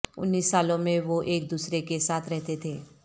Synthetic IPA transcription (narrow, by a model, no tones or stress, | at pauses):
ʊ̰nːiːsːaːlõmẽʋoʔeːk̚d̪uːsɾekesaːt̪ʰɾɛɦt̪et̪ʰeː